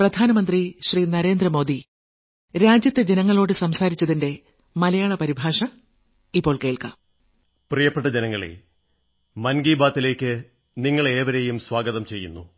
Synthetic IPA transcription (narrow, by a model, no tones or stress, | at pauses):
prɐd̪ʱaːnɐmɐnd̪riɕriːnɐɾe̞ːnd̪rɐmo̞ːd̪i | ɾaːd͡ʑjɐt̪ːed͡ʑenɐŋːɐɭo̞ːɽɨsɐmsaːɾit͡ɕːɐðinde̞ | mɐlɐjaːɭɐpɐɾibʱaːʂɐ | ipːo̞ːɭke̞ːɭkɐ̰ | prijɐpːeʈːɐd͡ʑenɐŋːɐɭḛ | mɐnɡiːbaːt̪ːile̞ːkʲːɨ | niŋːɐɭeːʋɐɾejumswaːɡɐðɐmt͡ɕe̞jːṵnːṵ